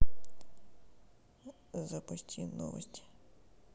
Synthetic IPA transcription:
zɐpɔsʲtʲinɔ̰ʋɔ̰sʲtʲi̥

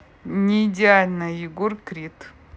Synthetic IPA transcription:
nʲɪːdʲɪalʲnɐjɪɡorkɾʲit̪

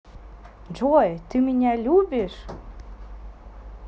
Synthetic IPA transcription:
d͡ʒojt̪ɨminʲælʲubeʃ

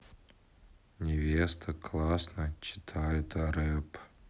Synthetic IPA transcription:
nʲɪvʲest̪ʰəklˠasnət͡ɕɪ̥t̪ʰajʊt̪aɾɛp

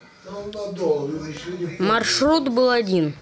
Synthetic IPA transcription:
mɐrʂɾut̪bɨlˠɐdʲin

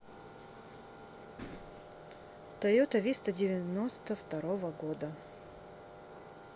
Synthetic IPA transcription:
t̪ɐjot̪ɐvʲist̪ədʲɪvʲɪnost̪əft̪ɐɾovəɡod̪ə

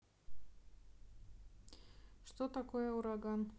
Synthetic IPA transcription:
ʃt̪ot̪akoɛuɾaɡan

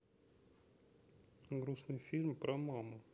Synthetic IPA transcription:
ɡɾusnɨjfʲilʲmpɾɐmamʊ

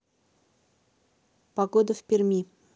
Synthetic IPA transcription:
pɐɡod̪əfʲpʲɪrʲmʲi

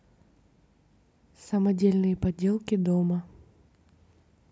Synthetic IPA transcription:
sɐmɐdʲelʲnɨjəpɐdʲelˠkʲɪd̪omɐ

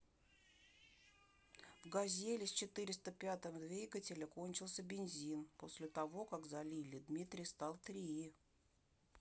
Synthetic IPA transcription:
vɡɐzʲelʲɪsʲt͡ɕɪt̪ɨɾʲɪst̪əpʲat̪əmd̪vʲijɡətʲɪlʲəko̞nʲt͡ɕɪlˠsʲəbʲɪnʲzʲinpo̞sʲlʲɪt̪ɐvo̞kaɡzɐlʲilʲɪd̪mʲit̪ɾʲɪjst̪alˠt̪ɾʲɪi

